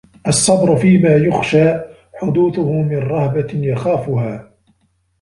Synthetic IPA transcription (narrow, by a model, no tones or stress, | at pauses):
ʔɑsˤːɑd̪ɾʊfiːmaːjʊxʃaː | ħʊd̪uːθʊhʊmɪnɾˤɑhbajaxaːfʊhaː